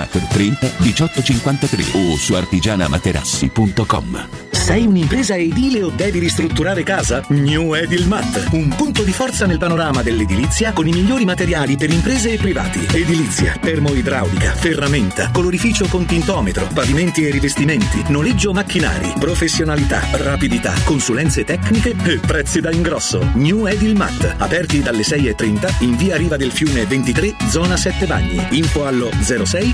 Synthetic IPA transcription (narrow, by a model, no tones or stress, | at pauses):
a̰t̪ert̪ɾɛnt̪ad̪it͡ʃɔt̪ːot͡ʃiŋkwant̪at̪ɾḛosua̰rt̪id͡ʒaːna̰ma̰t̪eɾʔa̰sːḭpunt̪okɔ̰m | sɛjunimpɾeːzaeid̪iːleod̪ːɛːviɾist̪ɾut̪ːuɾaːɾekaːzaɲuɛd̪ilmat̪ːumpunt̪od̪ifɔrt̪sanelpanoɾaːmad̪elːed̪ilit̪sːjakonimiʎːoːɾimat̪eɾjaːlipeɾimpɾeːzeːpːɾiva̰ːt̪ḭed̪ilit̪sːja̰t̪ɛrmoid̪ɾa̰wd̪ika̰ferːament̪a̰koloɾifiːt͡ʃokont̪int̪ɔːmet̪ɾo̰paviment̪ierːivest̪iment̪inoled͡ʒːomakːina̰ːɾḭpɾofesːjonalit̪a̰rapid̪it̪a̰kːonsulɛnt̪set̪ɛknikeepːɾɛt̪sːid̪aiŋɡɾɔsːo̰ɲuɛd̪ilma̰t̪ːapɛrt̪id̪alːesɛjet̪ːɾint̪aiɱviːaɾiːvad̪elfjuːnevent̪it̪ɾed̪zɔːnasɛt̪ːeva̰ɲːḭiɱfoalːod̪zɛːɾosɛj